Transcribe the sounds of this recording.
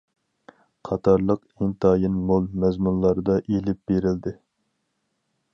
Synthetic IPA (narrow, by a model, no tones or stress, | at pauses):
qʰɑt̪ʰɑɾlˠəq | iŋt̪ʰɑːjinmolˠmɛzmunlˠɑɾɨd̪ɑʔelɪp̚b̥eɾɪld̪ɪ